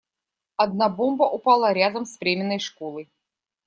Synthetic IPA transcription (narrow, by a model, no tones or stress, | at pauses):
ɐd̪̚nabombɐʔʊpalˠəɾʲad̪əmspɾʲemʲɪnːəjʂkolˠəj